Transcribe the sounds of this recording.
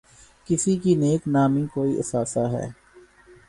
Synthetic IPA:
kɪsikineːknaːmikoːiʔɪ̰saːsaːɦɛ̰ː

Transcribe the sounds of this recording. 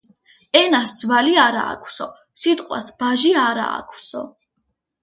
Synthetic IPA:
ɛnasd̪zvaliaɾa̰ːkʰwsɔ | sit̪ʼqʼwa̰sbaʒiaɾa̰ːkʰwsɔ̰

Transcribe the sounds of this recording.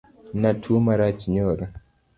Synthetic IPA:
natʰumaɾat͡ʃiɲoɾo

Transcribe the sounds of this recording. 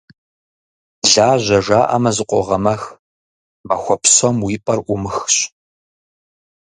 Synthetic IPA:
ɮaːʑʷɐʒaːʔɐ̰mɐzɨqʷʼɔ̰ʁɐmɐx | mɐxʷɔpsɐmwiːpʼɐrʔʷʊmɨxɕ

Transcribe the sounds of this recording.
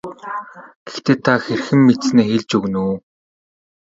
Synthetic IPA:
ɡ̥ext̪ʰeːt̪ʰaxerxɘ̆mːet̪sneːxeɮt͡ɕɵɣnuː

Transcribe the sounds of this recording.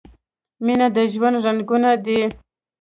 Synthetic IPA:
minad̪əʒwand̪ɾanɡunad̪i

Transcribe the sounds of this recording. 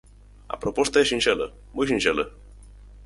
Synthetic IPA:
a̰pɾopost̪ajeʃinʃelə̰ | mujʃ̬inʃelə

